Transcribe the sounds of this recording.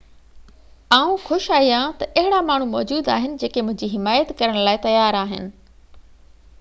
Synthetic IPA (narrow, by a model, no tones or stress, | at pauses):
aːũxʊʃaːijãt̪ɐʔɐɦɪɽamaːɳ̤ũmɔːd͡ʑuːd̪a̰ːɦɪnɪ̆d͡ʑeːkemʊ̃ɦɪ̃ɲd͡ʑiɦɪmaːjət̪kɐɾəɽ̃laːɪt̪ɐjaːɾaːɦɪ̰nɪ̆